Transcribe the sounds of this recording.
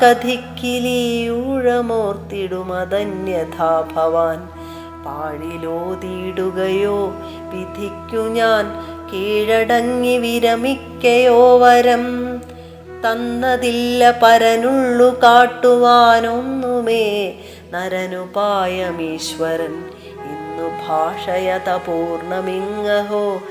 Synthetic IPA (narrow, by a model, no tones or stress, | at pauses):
kɐd̪ʱikːiliuːɻɐmoːrt̪iɽumɐd̪ɐnjɐd̪ʰʱaːbʱɐʋaːn | paːɻiloːd̪iːɽuɣɐjoː | ʋid̪ʱikʲːuɲaːn | keːɻɐɽɐŋːiʋiɾɐmikʲːɐjoːʋɐɾɐm | t̪ɐnːɐðilːɐpɐɾɐnuɭːukaːʈːuʋaːno̞nːumeː | nɐɾɐnupaːjɐmiːɕʋɐɾɐm | inːubʱaːʂɐjɐt̪ɐpuːrɳɐmiŋːɐɦoː